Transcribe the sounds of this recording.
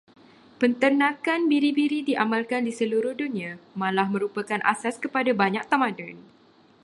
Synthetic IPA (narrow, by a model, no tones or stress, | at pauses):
pənt̪ərnãkanbiɾibiɾidiʔamãlkandisəluɾʊhdunĩãmãlahmə̃ɾupakanʔa̰saskəpadabaɲak̚t̪amadən